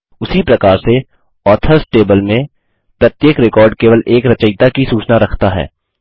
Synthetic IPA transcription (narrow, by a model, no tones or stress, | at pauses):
ʊsipɾɐkaːɾse | ɔːt̪ʰəɾsʈeːbəlmẽ | pɾɐt̪jeːkɾɪkɔːɾɖkeːʋəlʔeːkɾɐt͡ʃəɪt̪akisuːt͡ʃnaɾɐkʰt̪aɦɛ̰ː